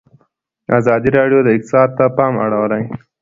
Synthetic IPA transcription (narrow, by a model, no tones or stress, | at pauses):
azɑd̪iɾɑɖjod̪əɪk̚t̪ɪ̥sɑd̪̚t̪ːapɑma̰ɽawəlaj